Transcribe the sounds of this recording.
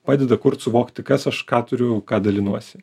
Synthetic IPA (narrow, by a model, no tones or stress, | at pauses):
pɑːd̪ʲɛd̪ɐkʊrt̪sʊʋoːkt̪ʲɪkɐsɐʃkɑːt̪ʊɾʲʊkɑːd̪ɐlʲɪnuɔsʲɪ